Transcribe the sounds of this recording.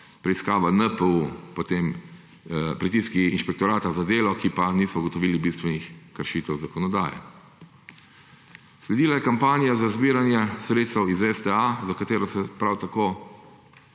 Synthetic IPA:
pɾɛiskaːʋanəpəupot̪eːm | pɾit̪iːskiinʃpɛk̚t̪ɔɾaːt̪azad̪eːlɔkipaniːsɔuɡɔt̪ɔʋiːlibist̪ʋɛnixkəɾʃiːt̪ɛwzakɔnɔd̪a̰ːjɛ̰ | slɛd̪iːlajɛkampaːnijazazbiːɾanjɛsɾeːt̪st̪ɛwizɛst̪ɛazakat̪eːɾɔsɛpɾawt̪akoː

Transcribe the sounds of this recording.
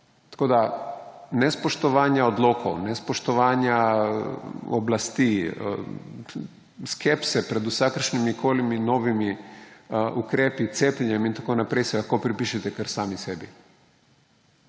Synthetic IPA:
t̪ḁkoːd̪a | nɛspoʃt̪ɔʋaːnjaod̪loːkʰo̰wnɛspoʃt̪ɔʋaːnja | o̰blast̪ḭ | skʰepsɛpɾɛd̪usakəɾʃnimikʰoːliminoːʋimi | ukɾeːpit̪seːpʎɛɲɛmint̪akoːnapɾɛjsɛɡakopɾipiːʃɛt̪ɛkaɾsaːmisɛbi

